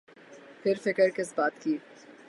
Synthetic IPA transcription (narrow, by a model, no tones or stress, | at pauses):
pʰɪɾfɪkəɾkɪsbaːt̪kiː